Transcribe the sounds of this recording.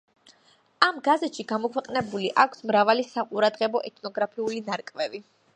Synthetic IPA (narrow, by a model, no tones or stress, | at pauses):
amɡazɛt̪ʃiɡamɔkʰwɛqʼnɛbuliʔakʷʰsmɾavalisaqʼuɾad̪ʁɛbɔʔɛt̪ʰnɔɡɾapʰiulinaɾkʼvɛvi